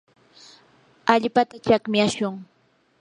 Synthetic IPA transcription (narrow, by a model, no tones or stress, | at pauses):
aʎpat̪at͡ʃakmɪjaʃʊŋ